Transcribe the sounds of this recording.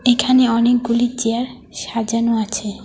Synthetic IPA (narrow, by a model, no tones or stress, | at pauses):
ekʰaneɔnek̚ɡulit͡ɕeaɾ | ʃad͡ʑanoat͡ɕʰe